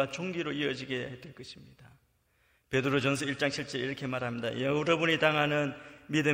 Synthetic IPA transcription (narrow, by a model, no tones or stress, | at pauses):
at͡ɕʰoŋɡiɾoiʌd͡ʑiɡeaɦetweɭk͈ʌɕʰimɲid̥a | pe̞dɯɾod͡ʑʌnsʰʌiɭt͡ɕ͈aŋt͡ɕʰiɭt͡ɕ͈ʌɾiɾʌkʰe̞maɾɦamɲida̰ʌuɾʌbuɲitaŋɦanɯnmidɯ